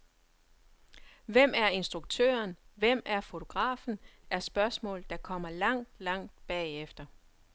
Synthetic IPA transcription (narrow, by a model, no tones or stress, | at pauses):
ʋem̰æɐe̝nsd̥ʁuɡ̥̚t͡sʰø̰ɐnʋem̰æɐfo̝t͡sʰo̝ɡ̥ʁɑ̰̈ːfn̩æɐsb̥ɶɐsmɔ̰ːld̥ɑ̈kʰɒ̽m̰ɐlɑ̈ŋ̰d̥lɑ̈ŋ̰d̥̚b̥ɛ̰ːefd̥ɐ